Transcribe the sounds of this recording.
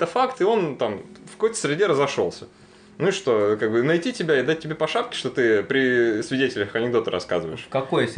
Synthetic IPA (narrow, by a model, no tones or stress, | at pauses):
ɛt̪əfakt̪ɨo̞nt̪amfkɐkojt̪ə̥sʲɾʲɪdʲe̞ɾəzɐʂo̞̰lˠsʲə | nuiʂt̪o̞kaɡ̚bɨnɐjtʲitʲɪbʲaɪd̪at̚ʲtʲːɪbʲepɐʂapkʲɪ̥ʂt̪o̞t̪ɨpɾʲɪsvʲɪdʲetʲɪlʲəxɐnʲɪɡ̚d̪o̞t̪əɾɐ̰ska̰zɨvə̰jɪ̰ʂkɐkojs